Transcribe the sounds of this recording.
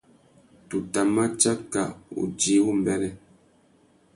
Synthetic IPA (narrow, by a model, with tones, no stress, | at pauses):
tu˨ta˨ma˦t͡ʃa˦ka˨ṵ˨d͡ʒi˨˦wu˦m˨bɛ˦lɛ˦